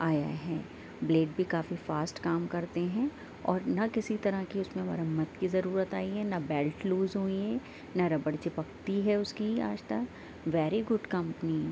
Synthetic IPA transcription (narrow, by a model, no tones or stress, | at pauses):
aːja̰ɦɛː | bleːɖ̚bʱikaːfifaːsʈkaːmkɐɾt̪eɦɛ̃ | ɔːɾnakɪsit̪ɐɾakiʊsmẽʋɐ̰ɾəmːət̪kizɐɾuːɾət̪aːiɦɛnabɛːlʈluːzɦõiɛ | naɾɐbəɽt͡ʃepɐk̚t̪iɦɛʊskia̰ːd͡ʒt̪ɐk | ʋɛːɾiɡʊɖkɐ̃mpni